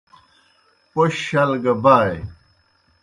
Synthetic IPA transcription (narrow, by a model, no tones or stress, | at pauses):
poɕɕɐlɡɐbaːj